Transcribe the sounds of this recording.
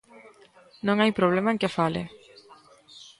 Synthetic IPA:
noŋajpɾoβlemaeŋkefalḛ

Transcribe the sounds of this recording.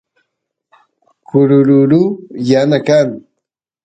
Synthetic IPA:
kʊɾʊɾʊɾujanakaŋ

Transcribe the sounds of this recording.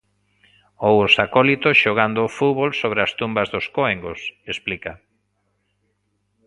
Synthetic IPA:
owosakolit̪oʃoɣ̞and̪oːfuβolsoβɾɪast̪umbazðoskoeŋɡosesplika

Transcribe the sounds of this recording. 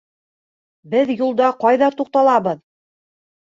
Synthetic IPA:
bɘðjulˠd̪ɑqɑjðɑt̪uq̚t̪ɑlˠɑbɤð

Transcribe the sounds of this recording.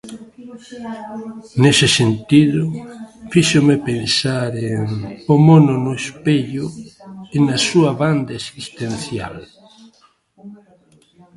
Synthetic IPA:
nesesent̪iðʊfiʃomepensaɾeŋomonʊnʊespeʎʊenasuaβand̪aesist̪enθja̰l

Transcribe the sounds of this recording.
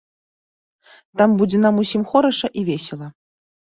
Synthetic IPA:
t̪ambud͡zʲenamusʲimxoɾɐʂɐʔivʲesʲelˠɐ

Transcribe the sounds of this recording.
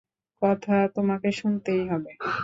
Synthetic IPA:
kɔt̪ʰat̪omakeʃunt̪ejɦɔbe

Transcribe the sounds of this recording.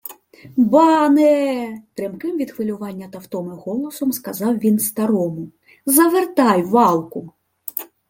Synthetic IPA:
bɑnɛt̪ɾɛmkɪmʋʲid̪xʋɪlʲʊʋɑnʲːɐt̪ɐwt̪ɔmɪɣɔlˠɔsɔmskɐzɑwʋʲinst̪ɐɾɔmʊ | zɐʋert̪ɑjʋɑlˠkʊ

